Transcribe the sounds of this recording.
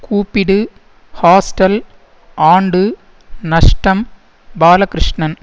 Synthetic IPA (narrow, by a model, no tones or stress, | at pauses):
kuːpːiɽɯ | haːsʈɐl | aːɳɖɯ | nɐʂʈɐm | baːlɐkɾɪʂɳɐn